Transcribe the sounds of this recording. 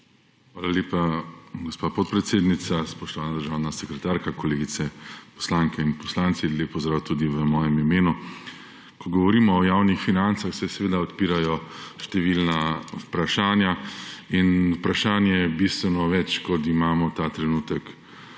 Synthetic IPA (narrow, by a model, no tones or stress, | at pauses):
xʋaːlaleːpaɡɔspapɔt̪̚pɾɛt̪seːd̪nit̪saspɔʃt̪ɔʋaːnad̪əɾʒaːwnasɛkɾɛt̪aːɾkakɔleːɡit̪ɛpɔ̥slaŋkɛinpɔslant̪sileːpːɔzd̪ɾawt̪uːd̪iʋəmɔːjɛmimeːnu | kɔɡɔʋɔɾiːmɔːjawnixfinant̪saxsɛsɛʋeːd̪aɔt̪piːɾajɔʃt̪ɛʋilnaupɾaʃaːnjainupɾaʃaːnjɛjɛbist̪ʋɛnɔʋɛt͡ʃkɔt̪imaːmɔt̪aːt̪ɾɛnuːt̪ək